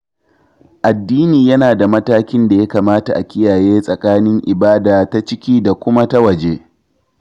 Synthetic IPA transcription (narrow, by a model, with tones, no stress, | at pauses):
ʔa˨dːiː˦niː˨jɐ˦naː˨da˨mɐ˦taː˦kʲɪ˦nda˨ja˦kaː˨maː˦ta˨ʔa˨kʲɪ˦jaː˨jeː˦sʼɐ˨kʼaː˦nɪ˦ŋʔɪ˨baː˦daː˨ta˦t͡ʃɪ˦kʲiː˦da˨kʷʊ˦ma˦ta˦wɐ˨d͡ʒeː˦